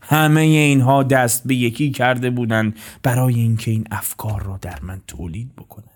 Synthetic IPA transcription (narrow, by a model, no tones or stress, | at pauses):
hæme̞jeiːnɦɒːd̪æst̪̚be̞je̞kʰiːcʰæɾd̪e̞buːd̪ænd̪b̥æɾɒːjeincʰe̞iːnæfkʰɒːɾːɒːd̪æɾmænt̪ʰo̰ːliːd̪̚bo̞kʰo̞næ̥